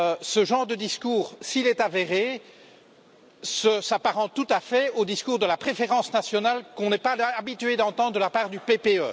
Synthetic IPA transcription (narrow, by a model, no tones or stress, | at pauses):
səʒɑ̃ʁd̪əd̪iskuːʁsilɛt̪aveʁe | səsapaʁɑ̃t̪ut̪afɛod̪iskuːʁd̪əlapχefeʁɑ̃snasjɔnalkɔ̃nɛpaabit̪yed̪ɑ̃t̪ɑ̃d̪ʁd̪əlapaːʁd̪ypepeø